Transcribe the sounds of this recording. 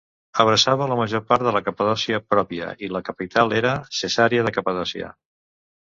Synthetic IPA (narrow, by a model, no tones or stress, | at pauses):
əβ̞ɾəsaβələməʒopaɾt̪ðələkəpəðɔsiəpɾɔpiə̰iləkəpit̪ʰalˠeɾəsəsaɾiəðəkəpəðɔsiə̰